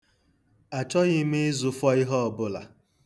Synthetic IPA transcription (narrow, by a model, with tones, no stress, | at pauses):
a˨t͡ʃɔ˦ɣɪ˦me˦zʊ˨fɔ˦ɪ˦ɦɔ˦ɔ˨bʊ˦la̰˨